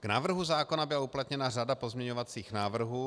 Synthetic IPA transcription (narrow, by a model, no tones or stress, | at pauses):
ɡ̥naːvr̩ɦuzaːko̞nabɪlauplat̪ɲɛnaradapo̞zmɲɛɲovat͡siːxnaːvr̩ɦuː